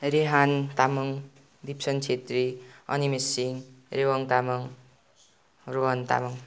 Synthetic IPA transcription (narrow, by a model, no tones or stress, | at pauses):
ɾeɦant̪amʌŋ | d̪ipsʌnt͡sʰet̪riʌ̰nimesiŋrewʌŋt̪amʌŋ | roɦʌnt̪a̰mʌŋ